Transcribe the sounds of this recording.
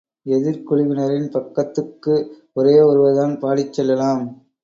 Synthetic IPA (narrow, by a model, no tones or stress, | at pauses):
ɛðɪɾkɔɭɪʋɪnɐɾɪnpɐkːɐt̪ːɯkːɯ | ʊɾeːɔɾɯʋɐðaːnpaːɽɪt͡ʃːɛlːɐlaːm